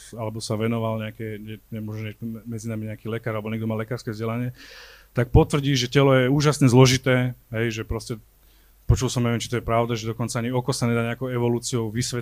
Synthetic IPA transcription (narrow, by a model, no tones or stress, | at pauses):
alɛbɔsaʋɛnɔʋalɲɛakɛɲɛɲɛmʊɔʒɛɲɛmɛd͡zinamiɲɛakiːlɛkaːɾalɛbɔɲɛɡd̪ɔmaːlɛkaːɾskɛzɟɛlaɲɪɛt̪ak̚pɔt̪ʋr̩ɟiːʒɛcɛlɔjɛuːʒasɲɛzlɔʒit̪ɛːɦɛjʒɛpɾɔscɛ | pɔt͡ʃulsɔmɲɛʋɛmt͡ʃit̪ɔjɛpɾaʊd̪aʒɛd̪ɔkɔnt͡saaɲiɔkɔsaɲɛd̪aːɲɛakɔʊɛʋɔluːt͡siɔʊʋisʋɛ